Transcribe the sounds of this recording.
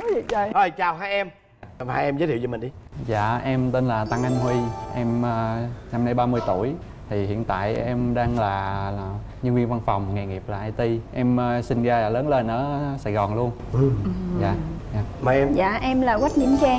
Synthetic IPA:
t͡ɕa˧˩ʔəː˧˩jt͡ɕaː˨˩wɦaː˧jʔɛ˧m | kɔ˨˩haː˧jʔɛ˧mzəː˧˦t̪ʰi˧˨˧ə˧mï˨˩ŋ̟ɗi˧˦za̰ː˧˨ʔɛ˧mt̪e˧nlaː˨˩t̪a˧ŋʔa˧jŋhwi˧ʔɛ˧mː˧na˧mna˧jɓaː˧mɨ˧əjt̪u˧˩əj | t̪ʰi˨˩hḭ˧˨ənt̪a̰ː˧˨jʔɛ˧mɗaː˧ŋlaː˨˩ | ɲɨ˧ŋvi˧ənva˧nfɔ˨˩wŋ͡mŋɛ˨˩ŋi˨˩əp̚laː˨˩ʔa˧jt̪i˧ʔɛ˧mː˧sï˧ŋzaː˧a˨˩ləː˨˦nle˧nʔə̰ː˧˦saː˧˩jɣɔ˨˩nlu˧ənɨ˨˩˧za̰ː˧˨aː˧˩maː˨˩ɛ˧mza̰ː˧˨ʔɛ˧mlaː˨˩wa˦˥t̚ɲḭ˧˥mt͡ɕaː˧

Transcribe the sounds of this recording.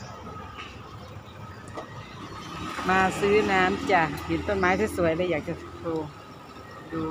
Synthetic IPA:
maː˧sɯː˦˥˩naː˦˥mt͡ɕa˧˩ji˨˩˦nt̪o˧˥˨n̚maː˨˦˥jt̪ʰa˧˥˩su˨˩˦əjbɛː˧˥˨jaː˨˩k̚t͡ɕa˨˧uː˧ | duː˧

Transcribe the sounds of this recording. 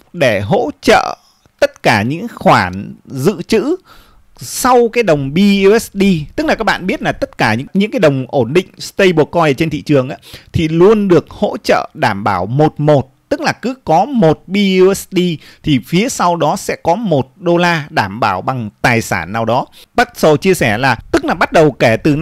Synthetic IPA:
ɗe˧˩ɦo̰˧˥t͡ɕə̰ː˧˨ | t̪ə˦˥t̚kaː˧˩ɲɨ̰˧˥ŋxwaː˧˩nzɨ̰˧˨t͡ɕɨ̰˧˥ | sa˧wkaː˨˦jɗə˨˩wŋ͡mɓi˧ɛ˦˥sɗi˧t̪ɨ˦˥k̚laː˨˩kaː˦˥k̚ɓa̰ː˧˨ɓi˦˥ət̚laː˨˩t̪ə˦˥t̚kaː˧˩ɲɨ̰˧˥ɲɨ̰˧˥ŋkaː˨˦ɗə˨˩wŋ͡mʔo˧˩nɗḭ̈˧˨ŋ̟st̪ə˧jɓɔ˨˩kɔ˧jə˨˩t͡ɕe˧nt̪ʰḭ˧˨t͡ɕɨ˨˩əŋʔa̰ː˨˦˥t̪ʰi˨˩lu˧ənɗɨ˨˩ək̚ho̰˧˥t͡ɕə̰ː˧˨ɗaː˧˩mɓaː˧˩wmo˨˩t̚mo˨˩t̚t̪ɨ˦˥k̚laː˨˩kɨ˨˦kɔ˨˦mo˨˩t̚ɓi˧ɛ˦˥sɗi˧t̪ʰi˨˩fi˨˦əsa˧wɗɔ˨˦sɛ̰˧˥kɔ˨˦mo˨˩t̚ɗo˧laː˧ɗaː˧˩mɓaː˧˩wɓa˨˩ŋt̪aː˨˩jsa̰ː˧˩nːaː˨˩wɗɔ˨˦ɓa˦˥t̚sə˨˩t͡ɕi˧əsɛ˧˩laː˨˩t̪ɨ˦˥k̚laː˨˩ɓa˦˥t̚ɗə˨˩wkɛ˧˩t̪ɨ˨˩

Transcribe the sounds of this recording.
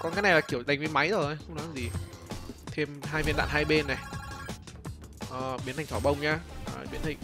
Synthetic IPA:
kɔ˨nkaː˨˦jna˨˩laː˨˩ki˧˩əwɗa˨˩jŋ̟vi˨˧˦ma˨˦jzəː˨˩ə˨˧˦jxə˧wŋ͡mnɔ˨˦laː˨˩zi˨˩ | t̪ʰe˧mɦaː˧jvi˧nɗa̰ː˧˨nɦaː˧jɓe˧nːa˨˩j | ʔəː˨˩ɓi˨˦əntʰa˨˩ŋt̪ʰɔ˧˩ɓə˧wŋ͡mɲaː˧ʔəː˨˩ɓi˨˦ənt̪ʰi˨˩ŋ

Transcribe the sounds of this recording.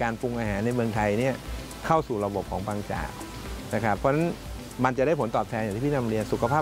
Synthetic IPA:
kaː˧npu˧ŋʔaː˧ɦaː˩˦nːa˧jmɯ˧əŋt̪ʰa˧jni˥˩ɐ | kʰa˥˩wsuː˨˩ɾa˧bo˨˩p̚kʰɔː˩˦ŋpaː˧ŋt͡ɕa̰ː˨˩k̚ | na˧˩kʰa˦˥˩pʰːɔː˧˥na˦˥n | ma˧nt͡ɕa˨˩daː˥˩jpʰnt̪ɔː˨˩p̚t̪ʰɛː˧njŋt̪iː˥˩pʰːna˧mɾi˧ənsu˨˩kʰa˧pʰaː˥˩

